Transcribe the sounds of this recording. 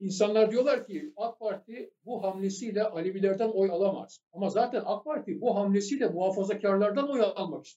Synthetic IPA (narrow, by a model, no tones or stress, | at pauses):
insanlˠaɾd̪ijo̞lˠaɾcʰiak̚paɾt̪ʰibuɦamlʲesijlʲɛʔalʲibilʲæɾd̪æno̞jalˠama̰z̥amazaːt̪ʰænak̚pʰaɾt̪ʰibuɦamlʲesijlʲɛmuɦaːfazacʰaɾlˠaɾd̪ano̞jalˠmaki̥st̪